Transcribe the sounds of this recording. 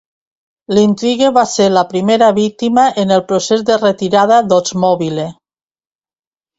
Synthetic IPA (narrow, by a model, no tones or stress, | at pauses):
lint̪ɾiɣeβaseɾlapɾimeɾaβik̚t̪imaʔenelˠpɾosezd̪eret̪iɾað̞aðozmɔβile